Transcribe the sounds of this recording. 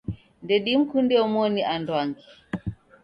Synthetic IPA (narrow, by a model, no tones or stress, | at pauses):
ndɛɗim̩kundɛɔmɔniʔandwaŋɡi